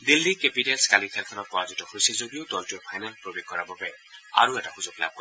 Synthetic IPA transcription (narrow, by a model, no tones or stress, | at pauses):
d̪ilːikepiʈelskalikʰelkʰɔnɔt̚pɔɹazitɔhojsizod̪ijod̪ɔltuepʰajnalpɾobeɡ̚kɔɾababe | a̰ɾueʈakʰuzokla̰b̚kɔ